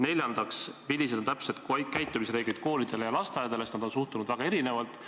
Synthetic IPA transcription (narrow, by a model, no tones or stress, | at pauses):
ne̞lʲjɑnd̪̥ɑksvilːised̪o̞nt̪æpsed̪kkæjt̪ːˑumisɾe̞ːɡlid̪̥ko̞ːlid̪̥e̞lejɑlɑst̪ɑjɑd̪e̞lest̪nɑd̪onsuht̪unud̪væɡ̥ɑe̞ɾine̞vɑlt̪ˑ